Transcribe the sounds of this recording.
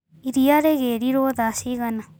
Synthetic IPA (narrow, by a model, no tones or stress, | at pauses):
iɾijaɾeɡeɾiɾod̪asiɣana